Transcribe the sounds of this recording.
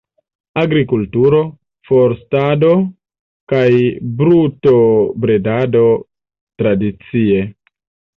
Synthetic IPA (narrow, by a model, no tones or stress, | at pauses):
aɡɾikultuɾo̞ | foɾstado̞ | kajbɾutobɾe̞dado̞ | tɾadit͡sie̞